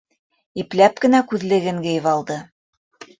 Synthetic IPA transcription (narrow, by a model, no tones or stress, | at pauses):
iplæp̚kɘ̆nækʉðlɘ̆ɡɘŋɡɘ̆jɘvɑlˠd̪ɤ